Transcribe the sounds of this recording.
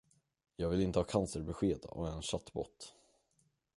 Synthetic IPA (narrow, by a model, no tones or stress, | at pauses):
jɑːɡvɪlɪnt̪əhɑːkʰansəɾbɛɧeːd̪a̰ʔɔ̰ɡɛːɛnɕat̪ːbo̰ːt̪ː